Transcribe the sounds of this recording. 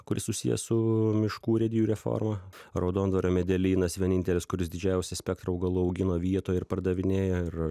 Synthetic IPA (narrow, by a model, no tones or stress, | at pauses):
kʊɾʲɪ̰ssʊsʲḭjɛ̰sʊmʲɪʃkuːɾʲɛd̪ʲɪjuːɾʲɛfo̰ːɾmɐ | ɾɐʊd̪oːnd̪ʋɐɾʲoːmʲɛd̪ʲɛlʲiːnɐsʋʲiɛnʲɪnʲt̪ʲɛlʲɪskʊɾʲɪsd̪ʲɪd͡ʒʲæˑʊsʲɛsʲpʲɛk̚t̪ɾɐːʊɡɐlˠʊɐʊɡʲɪnoːʋʲiɛt̪oːjɪɾpɐɾd̪ɐʋʲɪnʲeːjoɪɾ